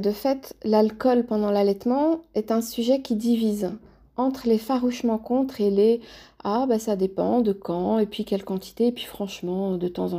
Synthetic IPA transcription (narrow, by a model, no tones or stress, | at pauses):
d̪əfɛt̪lalkɔlpɑ̃d̪ɑ̃lalɛt̪mɑ̃ɛt̪ɛ̃syʒɛkʲid̪iviz | ɑ̃t̪χəlefaʁuʃmɑ̃kɔ̃t̪χeleabasad̪epɑ̰̃d̪əkʰɑ̃epɥikʲɛlkɑ̃t̪i̥t̪eːpɥifχɑ̃ʃmɑ̃d̪ət̪ɑ̃zɑ̃